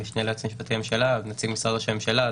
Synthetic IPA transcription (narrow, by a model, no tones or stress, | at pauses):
iʃneleat͡smiʃbat̪iamʃelavnat͡siɡmisʁadaʃemʃela